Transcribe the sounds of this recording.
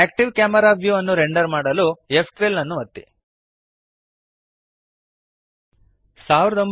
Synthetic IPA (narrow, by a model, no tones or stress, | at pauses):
æːk̚ʈiʋkaːmɐɾaːʋjuːɐnːuɾeɳɖɐɾmaːɽɐluepʰʈɾelːɐnːuʋɐt̪ːḭ | saːʋiɾɐd̪omb